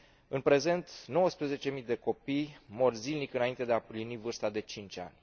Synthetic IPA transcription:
ɨnpɾe̞ze̞nt̪no̞wəspɾeze̞t͡ʃe̞mid̪e̞ko̞pijmo̞rzilnikɨnaint̪e̞d̪eaplinivɨrst̪ad̪e̞t͡ʃint͡ʃʲa̰nʲ

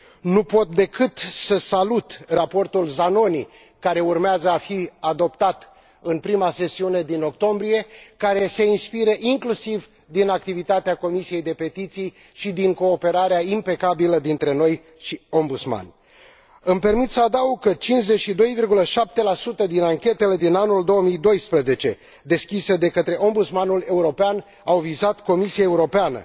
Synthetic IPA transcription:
nupo̞t̪̚d̪e̞kɨt̪səsalut̪rapo̞rt̪ulzano̞ni | kaɾe̞urmeazəafiad̪o̞pt̪at̪ | ɨnpɾimase̞siune̞d̪ino̞kt̪o̞mbɾije̞kaɾe̞se̞inspiɾəʔiŋklusiv | d̪inak̚t̪ivit̪at̪eako̞misije̞jd̪e̞pe̞t̪it̪sij | ʃid̪iŋko̞ːpe̞ɾaɾeaimpe̞kabiləd̪int̪ɾe̞no̞j | ʃio̞mbut̪sma̰nʲ | ɨmpe̞rmit̪səad̪auɡ̚kət͡ʃinʃze̞t͡ʃʃid̪o̞jvirɡuləʃap̚t̪e̞lasut̪əd̪inaŋkʲe̞t̪e̞le̞d̪inanuld̪o̞wəmijd̪o̞jspɾəze̞t͡ʃe̞ | d̪e̞skʲisəd̪e̞kət̪ɾe̞ʔo̞mbut̪smanule̞uɾo̞pean | awvizat̪ko̞misiae̞uɾo̞peanə̰

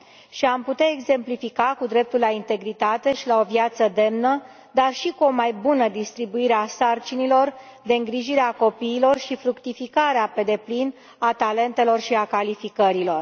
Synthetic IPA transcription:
ʃiamput̪aeɡze̞mplifikakud̪ɾe̞p̚t̪ulaint̪e̞ɡɾit̪at̪e̞ʃilao̞vjat̪səd̪e̞mnə | d̪arʃikuo̞majbunəd̪ist̪ɾibuiɾeasart͡ʃinilo̞r | d̪e̞ɨŋɡɾiʒiɾeako̞piːlo̞rʃifɾukt̪ifikaɾeape̞d̪e̞plin | at̪ale̞nt̪e̞lo̞rʃiakalifikəɾilo̞r

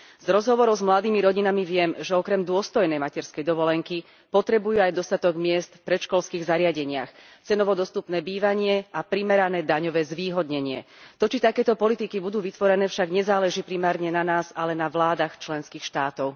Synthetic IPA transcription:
z̥ɾɔzɦɔʋɔɾɔʊzmlad̪iːmiɾɔɟinamiʋɪɛmʒɛɔkɾɛmd̪ʊɔst̪ɔjnɛjmacɛɾskɛjd̪ɔʋɔlɛŋki | pɔt̪ɾɛbujuajd̪ɔst̪at̪ɔɡmɪɛst̪fpɾɛʃkɔlskiːɣzaɾɪaɟɛɲɪa̰x | t͡sɛnɔʋɔd̪ɔst̪upnɛːbiːʋaɲɪɛapɾimɛɾanɛːd̪aɲɔʋɛːzʋiːɦɔd̪ɲɛɲɪɛ̰t̪ɔt͡ʃit̪akɛːt̪ɔpɔlit̪ikibud̪uːʋit̪ʋɔɾɛnɛːfʃaɡɲɛzaːlɛʒiːpɾimaːɾɲɛnanaːzalɛnaʋlaːd̪axt͡ʃlɛnskiːxʃt̪aːt̪ɔʊ

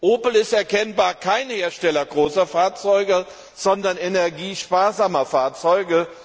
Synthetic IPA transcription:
ʔoːpl̩ɪstɛɐkʰɛnbaːɐkʰaɪnheːɐʃtɛlɐɡʁoːsɐfaːɐt͡sɔʏɡə | z̥ɔndɐnenɛɐɡiːʃpaːɐzaːmɐfaːɐt͡sɔʏɡə

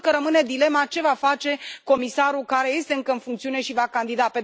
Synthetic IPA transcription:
kəɾəmɨne̞d̪ile̞mat͡ʃe̞vafat͡ʃe̞ko̞misaɾulkaɾe̞je̞st̪e̞ɨŋkəɨnfuŋkt̪siune̞ʃivakand̪id̪ape̞

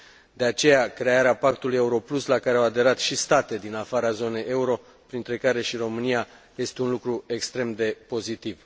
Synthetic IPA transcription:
d̪e̞at͡ʃe̞jakɾe̞aɾeapakt̪uluje̞uɾo̞pluslakaɾeawad̪e̞ɾat̪ʃist̪at̪e̞d̪inafaɾazo̞ne̞jʔe̞uɾo̞ | pɾint̪ɾe̞kaɾe̞ʃiro̞mɨnija | je̞st̪e̞unlukɾue̞kst̪ɾe̞md̪e̞po̞zit̪iv

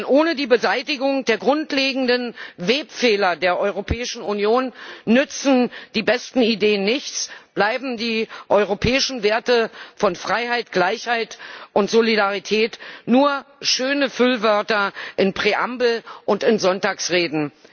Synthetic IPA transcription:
nʔoːnədiːbəzaɪtɪɡʊŋd̥eːɐɡʁʊntleːɡŋ̩dənveːpfeːlɐdeːɐʔɔʏʁopʰɛːɪʃn̩unjoːnːʏt͡sn̩d̥iːbɛstn̩ideːənːɪçt͡sb̥laɪbm̩diːʔɔʏʁopʰɛːɪʃn̩veːɐtəfɔnfʁ̥aɪɦaɪtɡ̥laɪçhaɪtʔʊntz̥olidaʁ̞itʰɛːtnuːɐʃøːnəfʏlvœɐtɐʔɪnpʁ̥eʔambl̩ʔʊntɪnzɔntaːksʁeːdn̩

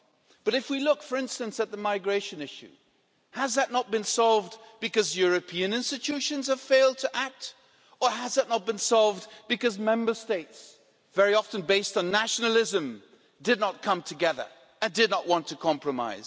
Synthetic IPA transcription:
b̥ʌɾɨfwilʊkfə˞ɪ̃nstɨ̃nsɨt̪̚ðəmaɪɡɹeɪʃɨ̃nɪʃʉ̰ | həzðɨtⁿnət̚b̥ɨ̃nsɑlˠvdbɨkʌzjʊɹɨpʰiɨ̃nɪ̃nstɨtʰʉʃɨ̃nz̥əv̥feɪlˠd̚tʰɨʔæk̚t | ə˞əzðɨtⁿnət̚b̥ɨ̃nsɑlˠvdbɨkʌzmɛ̃mbə˞steɪts | vɛɹiɑfɨ̃n̩beɪstn̩næʃnl̩ˠɪzɨ̃m | dɨdⁿnət̚kʰʌ̃mtʰɨɡɛðə̰˞ | ɨ̃ndɨdⁿnəʔwɑ̃ntʰɨkʰɑ̃mpɹɨma̰ɪz̥

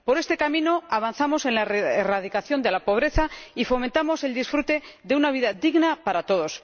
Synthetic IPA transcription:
po̞ɾe̞st̪e̞kamĩno̞aβ̞anθamo̞se̞nlaeerað̞ikaθjo̞nd̪e̞lapo̞β̞ɾe̞θaifo̞ment̪amo̞se̞ld̪isfɾut̪e̞ðe̞unaβ̞iðad̪iɣnapaɾat̪o̞ðo̞s

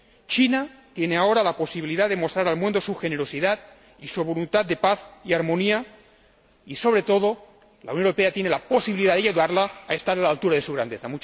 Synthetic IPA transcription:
t͡ʃinat̪je̞ne̞ao̞ɾalapo̞siβiliðaðe̞most̪ɾaɾalmũnd̪o̞suxe̞neɾo̞siðað | isuβ̞o̞lunt̪at̪̚d̪e̞paθiaɾmo̞nia | iso̞β̞ɾe̞t̪o̞ðo̞ | la̰wnoneɾo̞peat̪je̞ne̞lapo̞siβiliðaðeʝeðaɾlaːe̞st̪aɾalalt̪uɾaðe̞suɣ̞ɾand̪e̞θamut͡ʃ

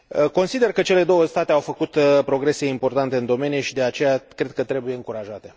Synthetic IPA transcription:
əko̞nsid̪e̞rkət͡ʃe̞le̞d̪o̞wəst̪at̪eawfəkut̪pɾo̞ɡɾe̞se̞impo̞rt̪ant̪e̞ɨnd̪o̞me̞nijeʃid̪eat͡ʃe̞jakɾe̞d̪̚kət̪ɾe̞buje̞ɨŋkuɾaʒat̪e̞

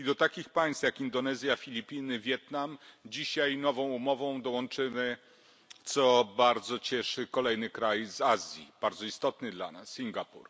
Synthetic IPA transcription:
id̪ɔt̪akʲixpaj̃st̪jakind̪ɔnɛzʲjafʲilʲipʲinɘvʲjɛt̪namd͡ʑiɕajnɔvɔ̃w̃umɔvɔ̃w̃d̪ɔwɔnt͡ʂɘmɘ | t̪sɔbaɾd̪zɔt͡ɕɛʂɘkɔlɛjnɘkɾajzazʲjib̥aɾdzɔist̪ɔt̪nɘd̪la̰nasːʲiŋɡapṵɾ

